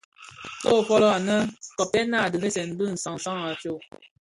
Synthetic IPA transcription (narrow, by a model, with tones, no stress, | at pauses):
to˦˨fɔ˦lɔ˦a˨nə˦kɔ˨pɛ˦na˦˨də˨he˦sɛ˨n˦bɨ˦˨n̩˨sa˨ŋ˨sa˦ŋa˨t͡ʃo˦˨